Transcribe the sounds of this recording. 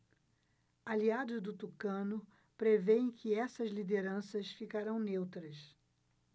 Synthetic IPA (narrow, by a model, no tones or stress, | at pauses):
aliad̪ʊzd̪ʊt̪ukɐ̃nʊ | pɾevẽkʰɪɛsɐzlid̪eɾɐ̃sɐsfikaɾɐ̃w̃newt̪ɾɐs